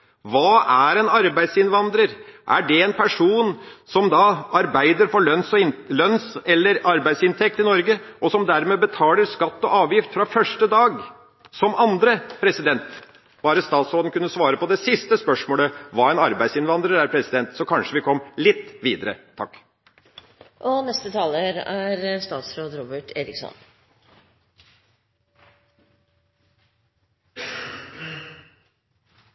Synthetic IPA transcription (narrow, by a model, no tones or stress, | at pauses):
ʋɑːæɾɛnɑɾbæɪd̪sɪnʋɑnd̪ɾəɾʔæ̰ɖɛɛnpʰæʂuːnsɔmd̪ɑɑɾbæɪd̪əɾfɔɭœnsɔlœnsɛlːəɾɑɾbæɪsɪnt̪ʰɛk̚t̪ɪnɔɾɡəʔɔsɔmd̪æɾmeːbət̪ʰɑːləɾskɑt̪ːɔʔɑːʋjɪft̪fɾɑfœʂʈəd̪ɑːɡ | sɔmɑnd̪ɾəpʰɾɛsɪd̪ɛnt̪ | b̥ɑːɾəst̪ɑːt̪sɾoːd̪ənkʉnːəsʋɑːɾəpɔd̪ɛsɪst̪əspœʂmoːləʋɑæɪnɑɾbæɪsɪnʋɑnd̪ɾəɾæːɾpʰɾɛsɪd̪ɛnt̪sɔkʰɑnʂəʋɪkʰɔmːlɪt̪ːʋiːd̪əɾə̰t̪ʰɑkː | ʔɔnɛst̪ət̪ʰɑːləɾæɾst̪ɑːt̪sɾoːd̪ɾɔːbəʈʰeːɾɪksɔ̰n